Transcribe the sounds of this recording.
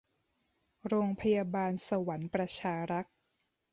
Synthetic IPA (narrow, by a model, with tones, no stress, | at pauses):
ɾoː˧ŋpʰa˧ja˧baː˧nsa˧wa˩˦npɾa˧t͡ɕʰaː˧ɾa˦˥t̪̚